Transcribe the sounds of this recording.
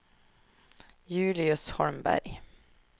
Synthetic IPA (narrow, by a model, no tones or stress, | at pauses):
jʉ̟ːlɪɵshɔɾmbæ̰ɾj